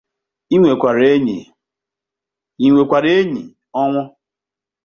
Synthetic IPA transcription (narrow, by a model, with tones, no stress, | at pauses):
i˦ŋʷe˨kʷa˨ɾe˦ɲi˨ | i˨ŋʷe˨kʷa˨ɾe˦ɲi˨ | ɔ˦ŋʷɔ˦